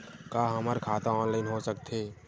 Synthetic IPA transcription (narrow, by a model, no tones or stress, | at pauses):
kaːɦɐmaɾkʰaːt̪ãɔːnlaːɪnɦosək̚t̪eː